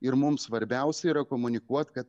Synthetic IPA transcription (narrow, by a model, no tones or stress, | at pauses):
ɪɾmʊmsʋɐɾʲbʲɛʊsʲɛiːɾɐkoːmʊnʲɪkuɔt̪kɐt̪